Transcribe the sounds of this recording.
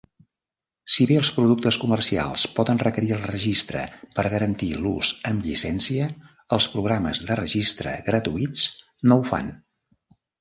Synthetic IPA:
siβeəlˠspɾuðuk̚t̪əskumərsia̰lˠspɔðənrəkəɾiəlˠrəʒist̪ɾə̰pəɾɣəɾənt̪iluzəmʎisɛnsiə | əlˠspɾuɣɾaməzðərəʒist̪ɾə̰ɣɾət̪uit͡s | nowfa̰n

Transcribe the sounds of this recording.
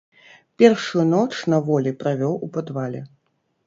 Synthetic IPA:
pʲɛrʂjunɔt͡ʂnɐvɔlʲipɾavʲɔwupad̪valʲɛ

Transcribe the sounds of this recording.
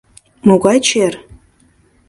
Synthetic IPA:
moɣɑjt͡ɕer

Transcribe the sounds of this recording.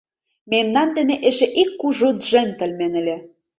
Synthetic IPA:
memnɑnd̪ɘ̆nĕʔĕʒĕʔikːuʒut̪ʒĕnʲt̪ə̆lʲmenɘ̆lʲĕ

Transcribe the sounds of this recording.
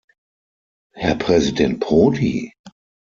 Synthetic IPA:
hɛɐpʁ̥ɛzidɛnt̚pʁoːdḭ

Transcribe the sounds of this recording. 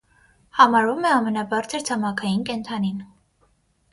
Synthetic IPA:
hɑmɑɾvumɛɑmɛnɑbɑɾt͡sʰəɾt͡sʰɑmɑkʰɑjinkɛnt̪ʰɑnin

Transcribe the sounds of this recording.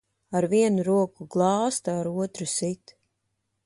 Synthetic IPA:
aɾviɛnuɾuɔkuɡlˠɑːst̪aːɾuɔt̪ɾusit̪

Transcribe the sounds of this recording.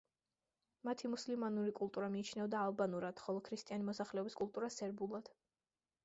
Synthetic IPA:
mat̪ʰimuslimanuɾikʼulˠt̪ʼuɾamiːt͡ʃʰnɛɔd̪aːlˠbanuɾad̪̥χɔlˠɔkʰɾist̪ʼianimɔsaχlɛɔbiskʼulˠt̪ʼuɾasɛɾbulˠad̪̥

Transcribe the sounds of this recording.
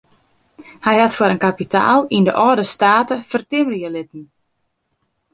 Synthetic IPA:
hɛjhatfwəɾənkapitʰa̰ːlˠindəʔɔːdəstaːtəfərtɪməljəlɪtn̩

